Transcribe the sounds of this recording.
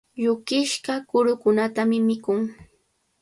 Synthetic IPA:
ʎʊkɪʃɢɑkʊɾʊkʊnat̪amɪmɪkʊŋ

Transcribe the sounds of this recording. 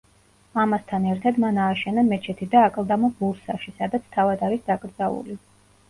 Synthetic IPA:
amast̪ʰanɛɾt̪ʰad̪manaːʃɛnamɛt͡ʃʰɛt̪ʰid̪aːkʼlˠd̪amɔbuɾsaʃisad̪at̪sʰt̪ʰavad̪aɾisd̪akʼɾd̪zaṵli

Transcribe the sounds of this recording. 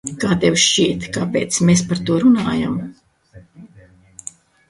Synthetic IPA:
kaːt̪ewʃt͡ʃiɛt̪kapḛːt̪smes̬paɾt̪uɔɾunaːja̰m

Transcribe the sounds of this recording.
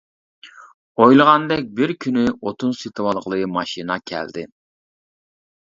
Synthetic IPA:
ojlˠəʁɑnd̪ɛk̚ʲbɪɾkʲʰynyot̪ʰunset̪ʰɨwɑlˠqəlˠɨmɑʃinɑkʲʰæ̰ld̪ɪ

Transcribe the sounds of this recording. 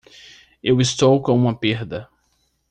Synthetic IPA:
ewist̪owkõũmɐpeɾd̪ɐ

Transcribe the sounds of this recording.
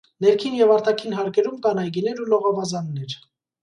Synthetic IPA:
nɛɾkʰinjɛvɑɾt̪ɑkʰinɦɑɾkʰɛɾumkɑnɑjɡinɛɾulɔʁɔvɑzɑnːɛɾ

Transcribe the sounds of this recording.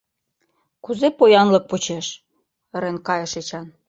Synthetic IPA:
kuzepojɑnlɤ̆k̚pot͡ɕeʃ | əɾenkɑjɤ̆ʃet͡ɕɑn

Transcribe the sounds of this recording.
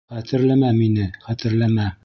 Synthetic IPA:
χæt̪ɘ̆ɾlæmæminɘχæt̪ɘ̆ɾlæmæ

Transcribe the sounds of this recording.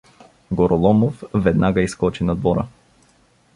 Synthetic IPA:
ɡɔɾɔlˠɔmofvɛd̪naɡaiskɔt͡ʃinɐd̪vɔɾə̰

